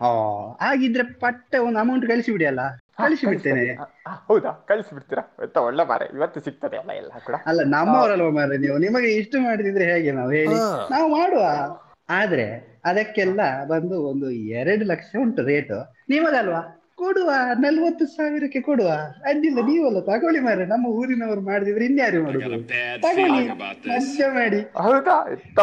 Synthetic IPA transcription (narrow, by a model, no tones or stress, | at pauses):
a̰ːhaːɡid̪ːɐɾepɐʈːɐond̪ɐmɐwɳʈukɐɭisibiɽiɐlːɐkɐɭisibiʈt̪ːenehɐwd̪akɐɭisibiɽt̪iɾaɔ̰t̪ːɐɔɭːema̰ːɾḛḭʋɐt̪ːusik̚t̪ɐd̪ɛɐ̰lːɐ̰ḭlːɐkuːɽɐɐlːɐnɐmːɐʋɾɐlːʋɐmaɾeniːʋunimɐɡeiʂʈɐmaːɽt̪id̪ɾeɦeːɡenaːʋuɦe̞ːɭinaːʋumaːɽuʋaː | aːd̪ɐɾe̞̰ɐd̪ɐkːɛlːɐbɐnd̪uond̪uɛɾɐɽulɐkʂɐuɳʈɾe̞ːʈṵ | nimɐɡɐlːɐʋaː | koɽuʋaːnɐlʋɐt̪ːusaːʋiɾɐkːekoɽuʋaːɐd̪ilːɐniːʋuɐlːɐt̪aːkoːɭimaːɾenɐmːɐuːɾinɐʋɐɾumaːɽd̪iːʋɐɾinːjaːɾimaːɽud̪ut̪aːkoːɭinɐt͡ʃɐmaːɽiɐt̪a